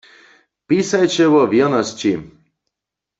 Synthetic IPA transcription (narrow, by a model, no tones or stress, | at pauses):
pisajt͡ʃɛwɔʋjɛnɔst͡ɕi